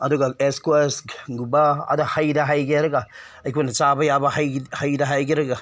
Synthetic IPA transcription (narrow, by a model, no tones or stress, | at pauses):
adoɡaeskeskɡubaa̰dahajdaɦaiɡʲeɾɡa | akʲiwanat͡ʃabajabahahajdaɦajɡʲiɾɡa